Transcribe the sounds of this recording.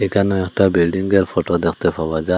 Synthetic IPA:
ekanɔɛkʈabilɖiŋɡeɾpʰɔʈod̪ɛkʰt̪epʰabad͡ʒa

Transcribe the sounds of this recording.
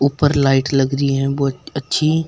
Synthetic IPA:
uːpəɾlaːɪʈlɐɡɾiɦɛ̃boɐtːʃʰi

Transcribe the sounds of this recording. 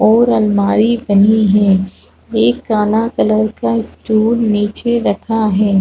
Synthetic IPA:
ɔːɾɐlmaːɾibɐniɦɛ̃ː | eːkːaːlakələɾkaɪsʈuːlniːt͡ʃeɾɐkʰaɦɛː

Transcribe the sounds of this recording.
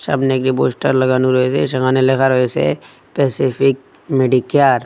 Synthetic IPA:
sɐ̰bneːkɖipoːsʈəɾlɐɡaːnuɾoeseʃɐɡaːnelekʰaɾoesḛ | pɛːsipʰɪk̚ | meɖikjaːɾ

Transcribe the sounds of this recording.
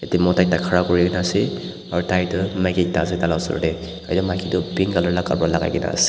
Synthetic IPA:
etimɔtajtakʰaɾakɔɹiɡinasi | aɾtajdɯmajɡitazɯtalawsɯ̰ɾde | a̰jdɔmajkʰidɔbiŋɡalɔɹlaka̰balaɡa̰jɡina̰si̥

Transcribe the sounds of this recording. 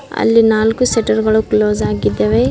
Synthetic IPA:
ɐ̰lːinaːlkuseʈɐɾɡɐɭukloːzaːɡid̪ːeːʋe

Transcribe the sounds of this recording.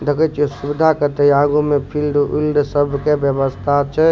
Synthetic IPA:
d̪ʱəkət͡ʃesubid̪ʱakət̪əjãɡumepʰilɖilɖsəbʱkebjəbəst̪ʰat͡ʃʰə

